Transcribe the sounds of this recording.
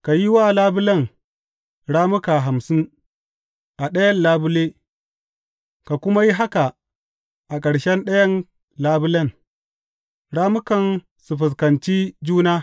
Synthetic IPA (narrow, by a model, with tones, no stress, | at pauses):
ka˨ji˦waː˦laː˦bʊ˦lɐ˦˨ŋ | ɽaː˦mʊ˦ka˨ɦa˨msɪ˦n | ʔa˨ɗɐ˦jɐ˦nlaː˦bʊ˦leː˦ | ka˨kʷʊ˦ma˦ji˦ɦa˦ka˨ | ʔa˨kʼɐ˨ɽʃɛ˦nɗɐ˦jɐ˦n | laː˦bʊ˦lɐ˦˨ŋ | ɽaː˦mʊ˦kɐ˨n | su˨ɸʊ˨s̬kɐ˨nt͡ʃiː˦d͡ʒuː˦naː˦